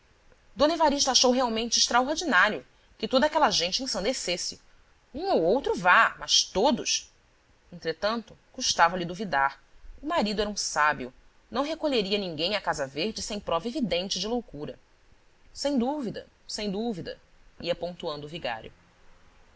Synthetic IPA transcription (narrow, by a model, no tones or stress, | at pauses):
d̪õnivaɾiʃt̪ɐaʃowɦeawmẽnt͡ʃɪɪʃt̪ɾaoɾd͡ʒinaɾiʊ | kɪt̪od̪akɛlɐʒẽnt͡ʃɪẽsɐ̃nd̪esesɪ | ũowowt̪ɾʊvamɐʃt̪od̪ʊʃ | ẽnt̪ɾet̪ɐ̃nt̪ʊkuʃt̪avɐlɪd̪uvid̪aɾʊmaɾid̪ʊɛɾɐũsabiʊ | nɐ̃w̃ɦekoʎeɾiɐnĩŋɡẽj̃ɐkazɐveɾd͡ʒɪsẽj̃pɾɔvɐevid̪ẽnt͡ʃɪd͡ʒɪlowkuɾɐ | sẽj̃d̪uvid̪ɐ̰ | sẽj̃d̪uvid̪ɐ̰iɐpõŋt̪uɐ̃nd̪ʊuviɡa̰ɾjʊ̰